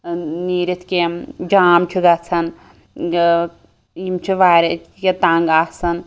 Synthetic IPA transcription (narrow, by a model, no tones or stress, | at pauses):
niɾit̪ʰkemd͡ʒaːmt͡ʃʰiɡat͡sʰɐn | imt͡ʃʰiʋaːɾeket̪aːŋɡasɐn